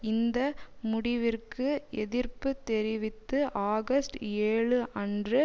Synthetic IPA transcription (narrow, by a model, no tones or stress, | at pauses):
ɪnd̪ɐmʊɽɪʋɪrkɯɛðɪrpɯt̪ːɛɾɪʋɪt̪ːɯʔaːɣɐsʈeːɻɯʔɐndrɯ